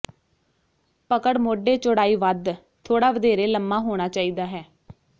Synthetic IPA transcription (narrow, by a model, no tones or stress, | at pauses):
pəkəɽmoːɖeːt͡ʃʊɽaːiːʋəd̪ | t̪ʰoːɽaːʋəd̪eːɾeːləmːaːɦoːɽ̃aːt͡ʃaːiːd̪aːɦɛː